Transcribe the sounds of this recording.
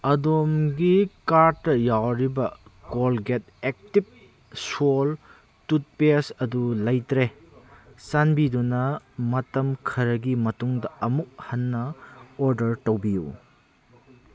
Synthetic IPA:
ɐdomɡikaɾtːɐjawɾibɐkolɡet̚ | ek̚tip̚ | sol | tut̚pesɐdulɐjtɾe | sanbidunɐmɐtɐmkʰɐɾɐɡimɐtuŋdɐɐmuk̚hɐnːɐoɾdɐɾtɐwbijṵ

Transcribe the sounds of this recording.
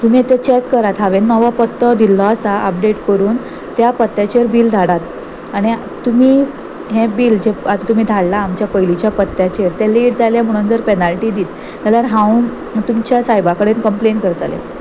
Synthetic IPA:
t̪um̤it̪et͡ɕekːəɾat̪ɦaʋenːɔʋapət̪ːəd̪ʱilːɔasaʔəp̚ɖeʈkəɾuːn | t̪japət̪ːjat͡ɕeɾbiːld̪ʱaɽat̪ | aɽ̃iː | umiː | ɦẽbiːld͡ʑeat̪at̪um̤iːd̪ʱaɽlaːmt͡ɕjapəjlit͡ɕjapət̪ːjat͡ɕeɾt̪eleʈ̚d͡zaljam̤əɽ̃uːnd͡zəɾpɛnalʈiːd̪iːt̪ | d͡zaljaɾɦãw | t̪umt͡ɕjasajbakəɽenkəmplenkəɾt̪alḛ

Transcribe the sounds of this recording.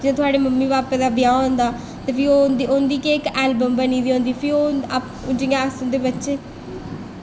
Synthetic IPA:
d͡ʒãːt̪ʰʊaːɽeːməmːiːbaːpeːd̪aːbɪjãːõnd̪aː | t̪eːpʰɪond̪iond̪iːkekɛːlbəmbəniːd̪iːɦõːnd̪iːpʰɪo | d͡ʒɪŋɡãsʊ̃nd̪eːbətːʃeː

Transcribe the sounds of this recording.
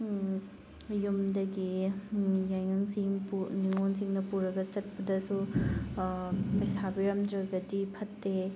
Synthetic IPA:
jumdɐɡi | jajŋɐŋsiŋpuniŋonsiŋnɐpuɾɐɡɐt͡ʃɐt̚pɐdɐsu | pɐjsabiɾɐmdɾɐɡɐdipʰɐtːe

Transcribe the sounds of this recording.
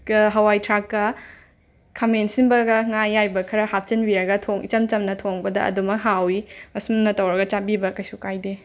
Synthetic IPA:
kɐɦɐwajtʰɾakːɐ | kʰɐmentsinbɐɡɐŋajːajbɐkʰɐɾɐhap̚t͡ʃɐnbiɾɐɡɐtʰoŋʔḭt͡ʃɐmt͡ʃɐmnɐtʰoŋbɐdɐ̰ɐ̰dumɐk̚ɦawimɐsumnɐtɐwɾɐɡɐt͡ʃabibɐkɐjsukajde

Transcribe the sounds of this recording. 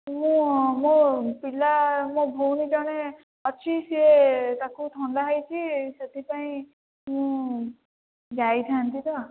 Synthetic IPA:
mũmõpilamõbʱownidɔɽ̃e | ʌt͡ʃʰisiet̪akut̪ʰɔnd̪aɦajt͡ʃʰisʌt̪ipaĩ | mũ | d͡ʒajt̪ʰant̪it̪ɔ

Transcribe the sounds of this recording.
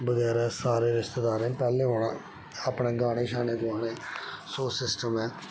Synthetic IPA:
bəɡɛːɾaːsaːɾeːɾɪst̪ed̪aːɾẽːpɛːleːɦoːɽ̃a̰ː | apneːɡaːɽ̃eːʃaːneːkoaːneːsoːsɪsʈəmɛː

